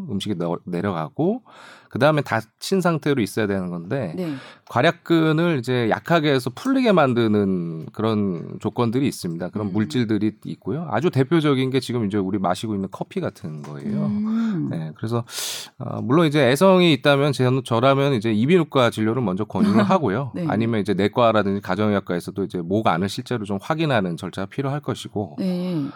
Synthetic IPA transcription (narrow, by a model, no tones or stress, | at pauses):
ɯmɕʰiɡine̞ɾjʌɡa̰ɡ̥okɯdaɯmetat͡ɕʰinsʰaŋtʰe̞ɾois͈ʌjadwenɯnɡʌnde̞kwaɾjak̚k͈ɯnɯɭid͡ʑe̞ja̰kʰaɡe̞ːs̬ʰʌpʰuʎːiɡe̞mandɯnɯnkɯɾʌnt͡ɕok͈ʌndɯɾiːs͈ɯmɲidakɯɾʌnmuɭt͡ɕ͈iɭdɯɾiit̚k͈ojoa̰d͡ʑute̞pʰjod͡ʑʌɡinɡe̞t͡ɕiɡɯmid͡ʑe̞uɾimaɕʰiɡoinːɯnkʰʌpʰiɡatʰɯnɡʌ̰e̞̰jone̞kɯɾe̞sʰʌʌ̰muɭːonid͡ʑe̞esʰʌŋiːt̚t͈amjʌnt͡ɕenot͡ɕʌɾamjʌnid͡ʑe̞ibinuk̚k͈at͡ɕiʎːoɾɯmʌnd͡ʑʌkwʌɲuɾɯɭɦaɡojoa̰ɲimjʌnid͡ʑe̞ne̞k͈waɾadɯnd͡ʑikad͡ʑʌŋjʌk̚k͈aesʰʌd͈oid͡ʑe̞moɡaa̰nɯɭɕ͈ʰiɭt͡ɕ͈e̞ɾot͡ɕomɸwaɡinɦanɯnt͡ɕʌɭt͡ɕ͈ʰaɡpʰiɾjoɦaɭk͈ʌɕʰiɡo